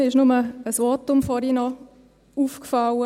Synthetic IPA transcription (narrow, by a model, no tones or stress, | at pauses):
ɪʃnʊməəsʋɑːtʊmfɔɾinɔ | uːfkfɑwə